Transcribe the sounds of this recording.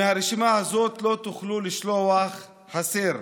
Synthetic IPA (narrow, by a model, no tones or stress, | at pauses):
haɾiʃimahazot̪lot̪ʊχlulɪʃlowaχ | ħasiɾ